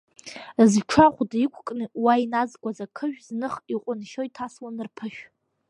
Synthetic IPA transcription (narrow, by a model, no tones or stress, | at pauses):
zʈ͡ʂʰaχʷdikʷʰkʼnɨwainazɡʷazakʰɨʒᶣznɨχiqʷʼʊnʃojtʰaswanɨrpʰɨʃᶣ